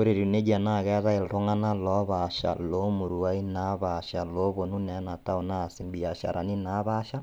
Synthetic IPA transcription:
ko˦ɾe˨ɾi˨ne˦d͡ʒa˨na˦˨ɣɛ˦ða˦e˨lto˦ŋa˦na˦lɔ˦βa˨ʃa̰˨lo˦mu˨ɾu˨a˦i˦na˦βa˨ʃa˨lo˨˦βo˨nu˦nɛ˨˦na˨ta˦o˨na˦˨si˨mbi˨a˨ʃa̰˨ɾʔa˨ni˦na˨˦βa˦ʃa˦

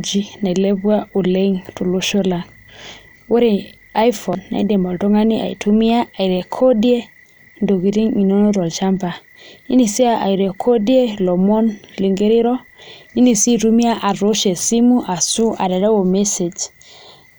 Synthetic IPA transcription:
d͡ʒi˦na˨i˨lɛ˦bwa˦u˨le˦ŋtu˨lo˦ʃo˦la˨ŋ | o˦ɾe˦ | a˦jfɔ˨nːa̰˨i˦de˨mɔ˨lto˦ŋa˦ni˦a̰˨ḭ˨tʰu˦mi˦aː˦˨i˨ɾɛ˨kʰɔ˦di˦e˦ | ndo˨ki˨ɾi˦ŋi˨nɔ˦nɔ˦ɾɔ˨lt͡ʃa˦mpa˨ | ḭ˦ni˨si˦aʔa˨i˨ɾɛ˨kʰo˦di˦e˦lɔ˨mɔ˦nli˨ŋɡe˦ɾi˦ɾɔ˦ | i˦ni˨si˦tu˦mi˦a˦ʔa˨ɾo˦ʃɛ˨si˦mu˦ʔa˨su˦ʔa̰˨ɾɛ˨ɾɛ˦wo˨mɛ˦se˨d͡ʒ

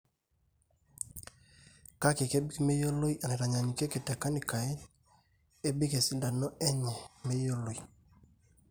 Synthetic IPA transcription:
ka˦ke˨ke˦bi˦kme˦jo˦lo˦i˦ʔa˨nɛ˨ɾa˨ɲa˨ɲi˨ke˦ke˨ta˨ka˦ni˨ka˨e˦ | e˦bi˦ke˨si˦nda˨nɔ˦ɛ˦ɲɛ˨me˦jo˦lo˨i˨

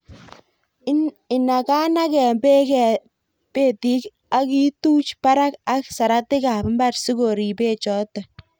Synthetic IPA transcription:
ɪ˨na˨ka˦na˦kɛ˨be˦kɛ˨ | pe˦ti˦k | a˦ki˦tuː˦t͡ʃpa˦ɾa˦ka˦ksa˨ɾa˦tɪ˦ka˨pmba˦rsi˦ko˨ɾi˨pe˦t͡ʃɔ˨˦ta˨

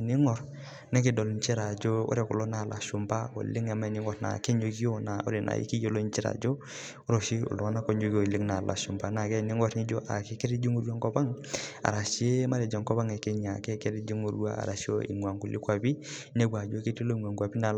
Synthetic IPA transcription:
ni˦ŋɔ˨ɾ | ne˦ki˨dɔ˨lɲt͡ʃi˦ɾa˨d͡ʒo˦o̰˦ɾe˨ku˨lo˦na˨la̰˨ʃu˨mba˦o̰˨li˦ŋa˨ma˨ni˨˦ŋɔ˦ɾna̰˨ke˦ɲo˨ɡi˦o˦na˨o̰˦ɾe˨nʔa̰˨ḭ˦ki˦jo˦lo˦nt͡ʃi˦ɾa̰˨d͡ʒo˦ | u˦ɾo˨ʃi˦ṵ˨lo˨a˦na˦ko˨ɲo˦ɡi˦o˨li˦ŋna˨la̰˨ʃu˨mba˨na˨ke˦˨ni˦ŋɔ˦ɾni˦d͡ʒo˦ʔa̰˨ke˦ke˦ɾi˦d͡ʒi˦ŋo˦ɾu˦a˦ŋkɔ˦ba˦ŋa̰˨ɾa˨ʃi˦e˦ma˦ɾe˨d͡ʒa˨ŋkɔ˦ba˦ŋe˨ke˦ɲa˨ke˦ke˦ɾi˦d͡ʒi˦ŋo˨ɾu˦a̰˦a̰˨ɾa˨ʃi˦o̰˦ḭ˨ŋ˨a˨ŋku˨li˦kwa˨bi˦ | ne˦ɡʷwa˨d͡ʒo˦ke˦ti˦lo˦i˨ŋʷ˨a˨ŋka˨bi˦na˨

